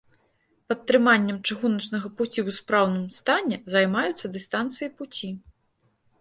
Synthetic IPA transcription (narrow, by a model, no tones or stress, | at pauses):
pɐt̪ːɾɨmanʲːɐmt͡ʂɨɣunɐt͡ʂnɐɣɐput͡sʲiwspɾawnɨmst̪anʲɛzɐjmajut̪sːɐd̪ɨst̪ant̪sɨjiput͡sʲi